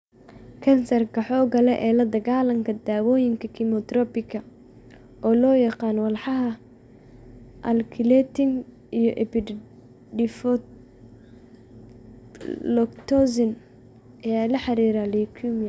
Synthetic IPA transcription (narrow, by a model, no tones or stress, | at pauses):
kʰɐnsɐrkʰɐħɔːɡɐlɛʔɛːlɐd̪ɐɣaːlɐŋkʰɐd̪aːwɔːjɪŋkʰɐkʰɪmɔt̪rɔpɪkʰɐ | ʔɔːlɔːjɐqɑːnwɑlħɑɦɐ | ʔɐlkʰɪlɛt̪ɪŋ | ijɔʔɛpɪ | ɖɪfɔ | lɔkt̪ʰɔsɪn | ɐjaːlɐħɑɾiːɾalikʰumjɐ